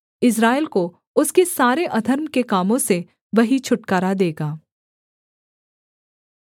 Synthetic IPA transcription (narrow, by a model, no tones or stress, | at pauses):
ɪs̬ɾaːɪlko | ʊskesaːɾeʔɐd̪ʱəɾmkekaːmõse | ʋɐɦit͡ʃʰʊʈkaːɾad̪eːɡaː